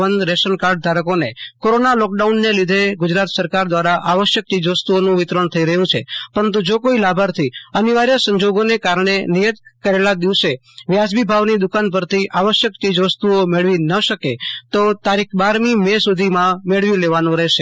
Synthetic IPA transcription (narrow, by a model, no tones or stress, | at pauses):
ʋənd̪ɾesənkaɾɖ̚d̪ʱaɾəkonekoɾonalɔk̚ɖaunːelid̪ʱeɡʊd͡ʒɾat̪səɾkaɾd̪ʋaɾaʔaʋəʃjək̚t͡ʃid͡ʒʋəst̪uonũʋɪt̪ɾəɳt̪ʰəiɾəɦjũt͡ʃʰepəɾənt̪̬ũd͡ʒokoilabʱaɾt̪ʰiəniʋaɾjəsə̃ɲd͡ʒoɡonekaɾɳ̃enijət̪kəɾelad̪iʋse | ʋjad͡ʒbibʱaʋnid̪ʊkanp̬əɾt̪ʰiʔaʋəʃjəkt͡ʃid͡ʒʋəst̪uomeɭʋinəʃəket̪ot̪aɾikʰbaɾmimɛsud̪ʱimãmeɭʋĩleʋanũɾɛɦʃe